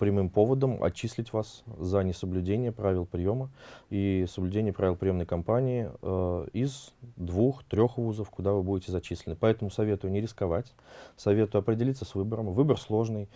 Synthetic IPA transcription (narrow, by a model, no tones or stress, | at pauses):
pɾʲɪmɨmpo̞vəd̪əmɐ̰t͡ɕːisʲlʲɪtʲvaszənʲɪsəblʲʉdʲenʲɪjəpɾavʲɪlˠpɾʲɪjo̞məisəblʲʉdʲenʲɪjəpɾavɪlˠpɾʲɪjo̞mnəjkɐmpanʲɪɪ | ɪzd̪vuxt̪ɾʲo̞xvuzəfkʊd̪avɨbudʲɪtʲɪzɐt͡ɕisʲlʲɪnɨpɐɛt̪əmʊsɐvʲe̞t̪ʊjʊnʲɪɾʲɪskɐvatʲ | sɐvʲe̞t̪ʊjʊɐpɾʲɪdʲɪlʲit̪səsvɨbəɾəmvɨbərslˠo̞ʐnɨj